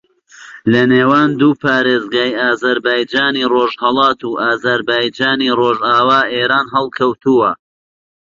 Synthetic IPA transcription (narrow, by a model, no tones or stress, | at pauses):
lɐneːwaːnd̪uːpʰaːɾeːzɡaːjaːzɐɾbaːjd͡ʒaːniroːʒhɐlˠɑːt̪uʔaːzɐɾbaːjd͡ʒaːniroːʒaːwaːʔeːɾaːnɦɛlˠkʰɐwt̪uwɐ